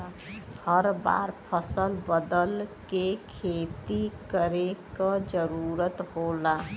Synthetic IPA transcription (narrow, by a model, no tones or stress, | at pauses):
həɾba̰ɾpʰəsəlbəd̪əlkekʰet̪ikəɾekəd͡ʒəɾuɾət̪hola